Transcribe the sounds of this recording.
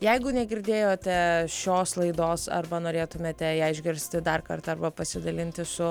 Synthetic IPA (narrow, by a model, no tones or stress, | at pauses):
jɛɪɡʊnʲɛɡʲɪɾʲd̪ʲeːjoːt̪ʲɛʃʲoːslˠɐɪd̪oːsɐ̰rbɐnoːɾʲeːt̪ʊmʲeːt̪ʲɛɛɪʒʲɡʲɪɾʲsʲt̪ʲɪd̪ɐrkɐrt̪ɐrbɐpɐsʲɪd̪ɐlʲɪnʲt̪ʲɪsʊ